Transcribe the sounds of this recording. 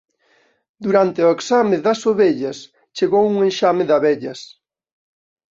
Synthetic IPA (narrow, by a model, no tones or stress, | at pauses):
d̪uɾant̪ɪoeksamɪðɐsoβeʎɐs | t͡ʃeɣowuŋenʃamɪðɐβɛʎɐs